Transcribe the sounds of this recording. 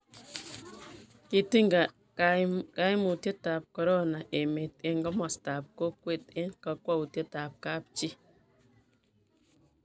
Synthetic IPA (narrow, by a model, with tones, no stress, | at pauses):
ki˨ti˦ŋɡa˨ | ka˦jmu˨tje˦ta˨p̚kɔ˨ɾɔ˦na˨ʔe˨me˨te˨ŋɡɔ˦mɔ˨sta˨p̚ko˦kwe˦˨te˦nka˨kwa˦u˨tje˦ta˨p̚ka˦p̚t͡ʃi˦